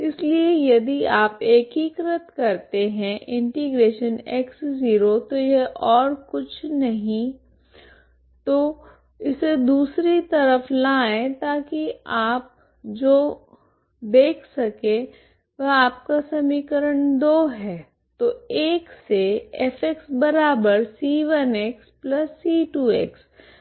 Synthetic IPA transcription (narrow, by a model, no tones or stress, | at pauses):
ɪsliejɐd̪iaːpeːkiːkɾət̪kɐɾt̪eɦɛ̃ʔɪ̃ɳʈiɡɾeːʃəneksziːɾot̪ojeʔɔːɾkʊt͡ʃʰnɐɦĩ | t̪oː | ɪsed̪uːsɾit̪ɐɾəflaːẽt̪aːkiaːp̚ | d͡ʒoː | d̪eːkʰsɐkẽ | ʋɐɦaːp̚kasɐmiːkəɾəɳ̃d̪oːɦɛː | t̪oeːkseefʰeksbɐɾaːbəɾsiːʋəneksplɐsːiːʈuːḛks